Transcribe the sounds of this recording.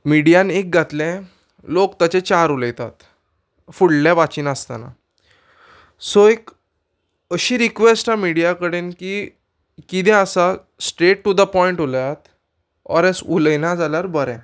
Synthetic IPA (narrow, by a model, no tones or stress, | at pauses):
miɽijãnek̚ɡʱat̪lɛ̃ | lokt̪at͡ɕet͡ɕaɾuləjt̪a̰t̪ | fuɽlaʋat͡ɕiːnəst̪a̰na̰ | soek | əɕiːɾikʋesʈamiɽijakəɽenki | kid̪ɛ̃əsa | sʈɾeʈːud̪əpɔiɳʈoləjat̪ | ɔ̰ɾɛsuləjnãd͡zalaɾbəɾɛ̃